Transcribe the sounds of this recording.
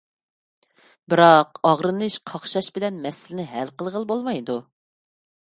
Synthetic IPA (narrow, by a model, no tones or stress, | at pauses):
bɪɾɑqɑʁɾɨnɨʃqʰɑχʃɑʃbɪlɛnmɛsɪlɪnɪɦɛlqəlˠʁəlˠbolˠmɑjd̪u